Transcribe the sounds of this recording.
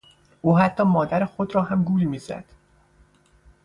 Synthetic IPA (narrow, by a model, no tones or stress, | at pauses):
ʔuːɦæt̪ʰːɒːmɒːd̪æɾexod̪ɾɒːɦæmɡuːlmiːzæ̰d̪̥